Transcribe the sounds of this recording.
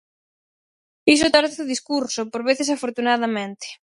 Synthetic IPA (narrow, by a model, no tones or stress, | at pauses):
isʊt̪aɾoðiskuɾsopoɾβeθesafoɾt̪unaðamẽnt̪ɪ̥